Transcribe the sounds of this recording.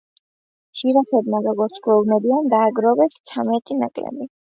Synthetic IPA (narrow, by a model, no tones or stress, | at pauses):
ʃiɾaχɛb̪maɾɔɡɔɾt̪sʰɡwɛvnɛbiand̪aːɡɾɔvɛst̪sʰamɛt̪ʼina̰kʼlɛ̰mi